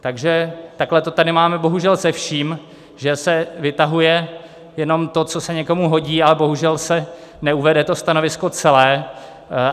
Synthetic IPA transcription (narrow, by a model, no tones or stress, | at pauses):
t̪aɡʒɛt̪aklɛt̪o̞t̪adɪmaːmɛbo̞ɦuʒɛlsɛfʃiːm | ʒɛsɛvɪt̪aɦujɛ | jɛno̞mt̪o̞t͡so̞sɛɲɛko̞muɦo̞ɟiːalɛbo̞ɦuʒɛlsɛ | nɛuvɛdɛt̪o̞st̪ano̞vɪsko̞t͡sɛlɛː